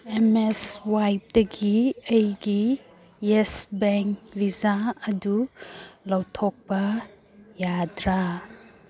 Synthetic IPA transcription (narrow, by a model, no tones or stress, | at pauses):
emeswajp̚dɐɡiejɡi | esbeŋkbizaɐdulawtʰɔk̚pɐ | jadɾa